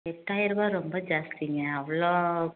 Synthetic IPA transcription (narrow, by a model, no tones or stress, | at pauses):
ɛʈːaːjɪɾɯbaɾɔmbɐd͡ʒaːst̪iŋɡɐɐʋɐɭoː